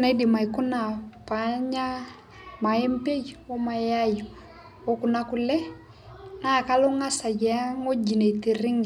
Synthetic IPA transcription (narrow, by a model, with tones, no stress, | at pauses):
na˨˦di˨ma˨i˨kʊ˦na˨paɲa˦ | ma˨ɛ˦m˦pe˦d͡ʒo˦ma˨ja˦jo˨ | o˦kʊ˨na˦ku˨lɛ˦ | na˦˨ka˦lo˦ŋa˦sa˨d͡ʒɛ˨a˦ŋo˦d͡ʒi˨ne˨i˨ti˨ɾɪ˦ŋ˨